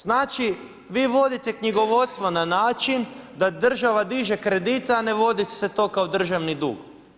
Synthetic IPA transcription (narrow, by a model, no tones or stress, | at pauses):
z̥naːt͡ʃi | ʋiːʋo̞d̪it̪e̞kɲiɡo̞ʋo̞t̪st̪ʋonanaːt͡ʃind̪ad̪r̩ʒaʋad̪iʒe̞kɾed̪it̪aːne̞ʋo̞d̪i̥se̞t̪o̞kaod̪r̩ʒaʋnid̪ṵːɡ